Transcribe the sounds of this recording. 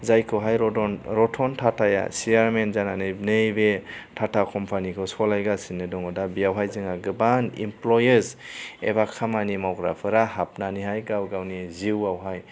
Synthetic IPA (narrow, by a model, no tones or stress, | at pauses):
zajkʰɯɦajɾɔɔnɾɔtʰɔntʰatʰaja̰siaɾmenzananɯjbnɯjbetʰatʰakɔmpʰanikʰɯsɔlajɡasinːɯdɔŋɔdabiawɦajzɯŋaɡɯbanḭmplɔjeɾzḛbakʰamanimawɡɾa̰pʰɯɾahap̚naniɦajɡawɡawniziwawɦaj